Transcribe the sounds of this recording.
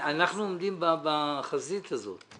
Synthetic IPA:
anaχnuomd̪imbabaχazit̪azo̰t̪

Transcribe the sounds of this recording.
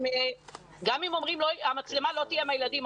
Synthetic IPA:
m | ɡamimo̞mʁimloamat͡slemalot̪ijemajelad̪im

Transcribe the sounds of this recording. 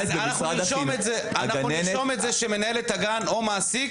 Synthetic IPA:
anaχuaiʃometze | anauiʃometzeʃeme̞naelet̪aɡano̞maːsik

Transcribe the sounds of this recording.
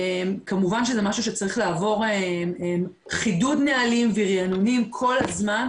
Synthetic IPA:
emkamuvanʃezɛmaʃuʃet͡saʁiχlaːvo̞ʁemem | χidudnealimviʁianunimkʰo̞lazman

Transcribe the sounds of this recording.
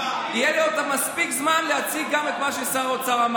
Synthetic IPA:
ijeliot̪amaspikzmanleat͡siɡamet̪maʃesaʁot͡saʁam

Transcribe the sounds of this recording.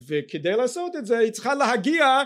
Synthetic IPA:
vɪkʰɪdeɪlˠasoʊtɛtzɛit͡sχalˠəɦaɡia

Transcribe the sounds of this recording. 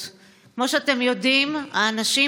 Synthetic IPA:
kmo̞ʃeat̪e̞mjo̞dima̰ːnaʃi

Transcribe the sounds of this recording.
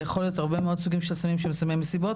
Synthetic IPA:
jeχo̞lijot̪aʁbemeo̞d̪suɡimʃelsamimʃemesamemːesibo̞

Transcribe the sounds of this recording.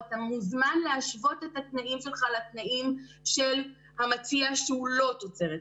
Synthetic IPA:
t̪amuzmanlehaʃvo̞t̪e̞t̪hat̪naʔimʃe̞lχalat̪naʔimʃe̞l | hamat͡siaʃeulo̞t̪ot͡se̞ʁet

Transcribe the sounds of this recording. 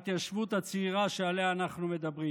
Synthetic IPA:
t̪jaʃvut̪at͡siʁaʃealeaːnaχnume̞d̪abʁi

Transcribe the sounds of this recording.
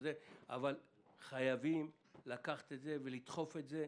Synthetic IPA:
zea̰val | χajavim | lakaχḁt̪et̪ze̞ve̞lit̪χo̞fe̞tze̞

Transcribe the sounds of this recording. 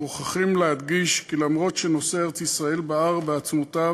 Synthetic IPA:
oχaχimlead̪ɡiʃkilamʁo̞t̪ʃe̞no̞seeʁet͡sisʁae̞lbaaʁbeat͡smot̪a

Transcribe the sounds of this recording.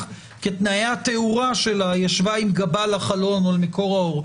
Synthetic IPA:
ket̪najat̪euʁaʃelajaʃvaimɡabalaχalo̞nolmeko̞ʁaoʁ

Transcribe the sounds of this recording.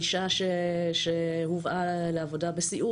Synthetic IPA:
iʃaʃeʃehuvʔaleavo̞dabesiʔu

